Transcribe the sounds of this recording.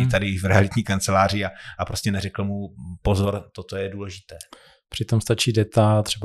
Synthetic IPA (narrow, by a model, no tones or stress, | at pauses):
ɪt̪adɪvɾɛalɪt̪ɲiːkant͡sɛlaːr̝ɪaapɾoscɛnɛɾɛkl̩mupo̞zo̞ɾt̪ot̪ojɛduːlɛʒɪt̪ɛː | pr̥ɪt̪o̞mst̪at͡ʃiːdɛt̪at̪r̝̥ɛba